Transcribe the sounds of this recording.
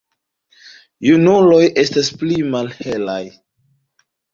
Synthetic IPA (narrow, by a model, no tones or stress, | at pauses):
junulo̞jʔe̞stasplimalhelaj